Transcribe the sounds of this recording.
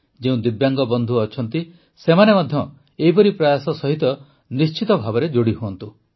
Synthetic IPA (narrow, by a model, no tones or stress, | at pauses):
d͡ʒeũd̪ibjaŋɡɔbɔnd̪ʱuɔt͡ʃʰɔnt̪i | semanemad̪ʱjɔ | eɦipɔɾipɾajasɔsɔɦit̪ɔ | nist͡ʃit̪ɔbʱabɔɾed͡ʒoɽiɦoɔnt̪u